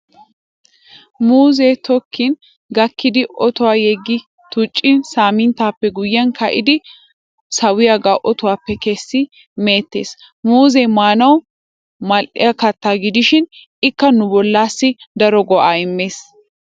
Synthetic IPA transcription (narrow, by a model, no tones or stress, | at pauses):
muːzɛt̪ɔkʰːɪn | ɡɐkːɪd̪ɪʔɔt̪ɔwaːjɛɡːɪ | t̪ʊt͡ʃʼːɪnsaːmɪnt̪aːpːɛɡʊjːɐnkɐʔɪd̪ɪ | sɐwɪjaːɡaʔɔt̪ʊwaːpːɛkesːɪ | me̞ːt̪ːe̞ːs | muːzɛmaːnɐw | mɐlʔɪ̰jɐkɐt̪ːaːɡɪd̪ɪʃɪn | ɪkːɐnʊbɔlːaːsːɪd̪ɐɾɔɡɔʔaːɪmːeːs